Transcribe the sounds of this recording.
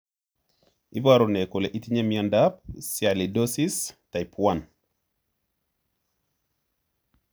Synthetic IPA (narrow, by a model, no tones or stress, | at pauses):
ibaɾunekoleʔitiɲemiandap̚sjalidosistajpwan